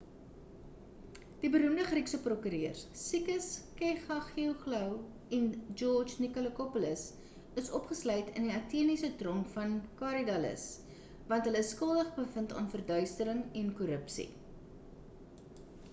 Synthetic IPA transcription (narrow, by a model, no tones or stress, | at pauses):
d̥ibəɾumdəχriksəprɔkyːɾiərsikəskɛχɐχiəwχləw | ɛnd͡ʒɔrd͡ʒnikoləkɔpɔləs | əsɔpχəslœjtəndiɐtiənisətrɔnfɐnkɑɾidɐlə̰s | vɐntɦələsːkəlˠdəχbəfəntɑ̰ːnfərdœɥstəɾəŋɛnkɔɾəpsḭ